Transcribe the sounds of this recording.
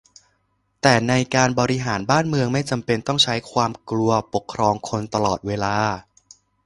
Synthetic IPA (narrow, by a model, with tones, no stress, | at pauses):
t̪ɛː˨˩na˧jkaː˧nbɔː˧ɾi˧ɦaː˩˦nbaː˥˩nmɯ˧əŋma˥˩jt͡ɕa˧mpe˧nt̪ɔ˥˩ŋt͡ɕʰa˦˥jkʰwaː˧mklu˧ɐpo˨˩kʰːɾɔː˧ŋkʰo˧nt̪a˧lɔː˨˩t̪̚weː˧laː˧